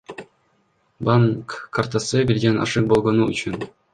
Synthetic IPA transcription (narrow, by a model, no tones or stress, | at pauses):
bɑŋkʰːart̪asɯbilʲɡʲenɑ̰ʃɯk̚bolˠʁonuyt͡ɕyn